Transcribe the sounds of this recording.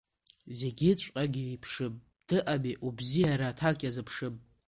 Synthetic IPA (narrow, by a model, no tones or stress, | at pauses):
ze̞ɡʲɪt͡ɕʷʼqʼaɡʲiipʰʂɨpʼ | d̥ɨʔamiʔubzijaɾatʰakʲʼazɨpʰʂɨmʼ